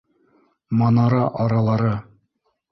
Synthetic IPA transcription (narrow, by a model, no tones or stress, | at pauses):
mɑnɑɾɑʔɑɾɑlˠɑɾɤ